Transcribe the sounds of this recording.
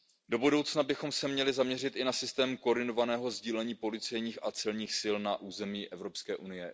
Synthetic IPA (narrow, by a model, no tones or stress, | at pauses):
do̞budowt͡snabɪxo̞msɛmɲɛlɪzamɲɛrɪt̪ʔɪnasɪst̪ɛːmkoɾdɪno̞vanɛːɦo̞zɟiːlɛɲiːpo̞lɪt͡sɛjɲiːxʔat͡sɛlɲiːxsɪlnaʔuːzɛmiːʔɛvɾo̞pskɛːʔunɪjɛ